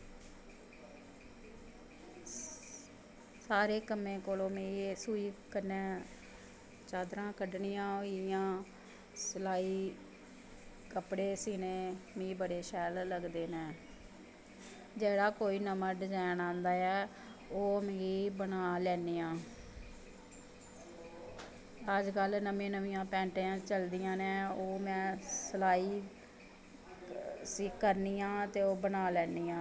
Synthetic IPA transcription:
saːɾeːkəmẽːkoːlõːmĩːsuːiːkənɛ̃ː | t͡ʃaːd̪ɾãːkəɖɳijãːijãː | səlaːiː | kəpɽeːsiːnẽːmĩːbəɽeːʃɛːlləɡd̪eːnɛː | d͡ʒeːɽaːkoːiːnəməɖd͡ʒɛːnãːnd̪aːɛː | oːmẽːiːbənaːlɛːniːãː | əd͡ʒkəlnəmẽːnəʋiːjãːpɛ̃ːɳʈːãːt͡ʃəld̪ijãːnɛ̃ːoːmɛ̃ːsəlaːiː | sikːəɾniːãːt̪eːoːbənaːlɛːniːãː

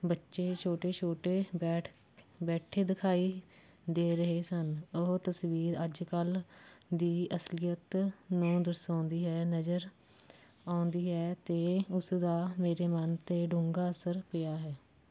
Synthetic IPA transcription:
bətːʃeːt͡ʃʰoːʈeːt͡ʃʰoːʈeːɛː | bɛːʈʰeːd̪ɪkʰaːiː | d̪eːɾəɦeːsənʊɦt̪əsʋiːɾəd͡ʒkəld̪iːʔəslɪjət̪nũːd̪əɾsãːnd̪iːɦɛːnəd͡ʒəɾ | aːʊnd̪iːɦɛːt̪eːʊsd̪aːmeːɾeːmənt̪eːɖũŋɡaːəsəɾpɪjaːɦɛː

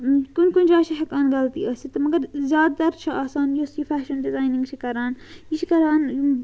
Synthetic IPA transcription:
kunkund͡ʒaːt͡ʃʰiɦɐkaːnɡɐlt̪ḭɐːsit̪ɐmɐɡɐɾzʲjaːd̪̚t̪ɐɾt͡ʃʰiaːsaːnjosjifʰaːʃɐnɖɪzaːjnĩŋɡt͡ʃʰikɐɾaːnjit͡ʃʰikɐɾaːn

